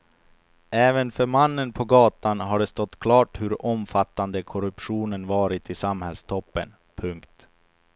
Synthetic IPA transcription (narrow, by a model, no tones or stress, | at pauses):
ɛːvənfœɾmanːənpʰɔɡɑːt̪anɦaɖɛst̪ɔt̪ːkʰlɑːʈhɵɾɔmfat̪ːand̪əkʰɔɾɵpɧuːnənvɑːɾɪt̪ʰɪsamhɛlst̪ʰɔpːə̰n | pʰɵŋkt̪